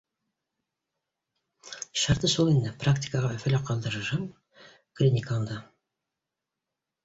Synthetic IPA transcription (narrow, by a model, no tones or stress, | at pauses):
ʃɑɾt̪əsolˠɪnd̪əprakt̪ʲi̥kaʁɑʏfælæqʰɑlˠd̪əɾʒɑm | klʲinʲikand̪ə